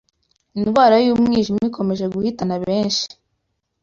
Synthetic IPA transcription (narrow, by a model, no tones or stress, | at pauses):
inɡwaːɾajuːmŋiːʒimiiko̞me̞ʒe̞ɡuhitanaβe̞ːnʃi̥